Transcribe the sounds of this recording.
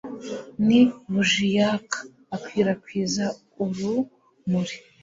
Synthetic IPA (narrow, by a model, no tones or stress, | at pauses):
niβuʒijakʰḁː | kwiːɾakwiːza | uɾu | muɾi̥